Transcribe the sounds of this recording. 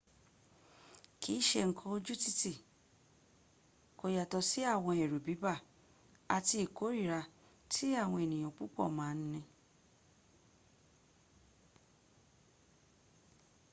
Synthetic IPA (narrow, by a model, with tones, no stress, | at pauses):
kʰi˨˦ʃe˧ŋ̩˦kʰɔ̃˧o˧d͡ʒu˦ti˦ti˦˨ | ko˨ja˨tɔ˧si˦a˦˨w̃ɔ̃˧ɛ˨ɾu˨bi˨˦ba˦˨ | a˨ti˧i˨ko˨˦ɾi˦˨ɾa˧ | tʰi˦a˦˨w̃ɔ̃˧e˨nĩ˨j̃ã˨k͡pu˦k͡pɔ̰˦˨mãː˦n̩˦nĩ˧